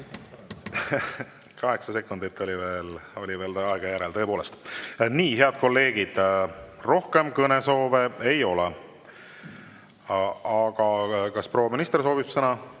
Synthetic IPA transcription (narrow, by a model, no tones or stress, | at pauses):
kɑɦe̞ksɑse̞kːˑund̪it̪ːo̞lʲive̞ːlo̞lʲive̞ːlt̪ɑeɡ̥ɑjæɾelt̪ɤ̞epo̞ːle̞st̪niːhe̞ɑd̪̥̚ko̞lːe̞ːɡ̥id̪̥ro̞hke̞mkɤneso̞ːveejo̞le | ɑɡ̥ɑkɑspro̞ːwɑminist̪ers̬o̞ːbib̥sɤnɑ